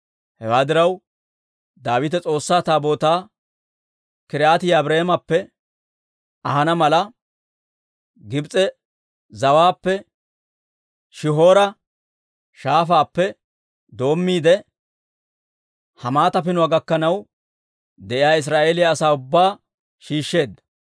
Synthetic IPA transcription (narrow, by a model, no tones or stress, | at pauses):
hɛwaːd̪ɪɾɐw | d̪aːwɪt̪̬ɛt͡sʼo̞ːsːaːt̪aːbo̞ːt̪aː | kɪɾaːt̪ɪjɐːbɾeːmɐpːɛ | ɐhɐnɐmɐlɐ | ɡɪbt͡sʼɛ | zɐwaːpːɛ | ʃɪɦo̞ːɾɐ | ʃaːfaːpːɛ | d̪o̞ːmːiːd̪ɛ | hɐmaːt̪ɐpɪnʊaːɡɐkːɐnɐw | d̪ɛʔɪjaːɪs̬ɾaːʔe̞ːlɪjaːsaːʊbːaː | ʃiːʃːe̞ːd̪ːɐ̥